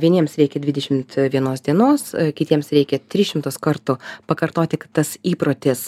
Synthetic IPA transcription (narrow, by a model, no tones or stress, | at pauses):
ʋʲiɛnʲiɛmsɾʲɛɪkʲɛd̪ʲʋʲɪd̪ʲɛʃʲɪmt̪ʋʲiɛnoːsd̪ʲiɛnoːskʲɪt̪ʲiɛmsɾʲɛɪkʲɛt̪ʲɾʲɪʃʲɪmt̪oskɐɾt̪ʊpɐkɐɾt̪oːt̪ʲɪkɐtt̪ɐsiːpɾoːt̪ʲɪs